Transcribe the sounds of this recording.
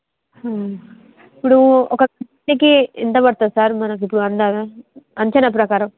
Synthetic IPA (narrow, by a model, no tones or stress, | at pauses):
ha | ipːuɽuɔkːɐɐ | ikiint̪ɐpɐɽt̪aːd̪saːɾmɐnɐkipːuɽuɐnd̪aːʋeɐɲt͡ʃɐnɐp̬ɾɐkaːɾɐm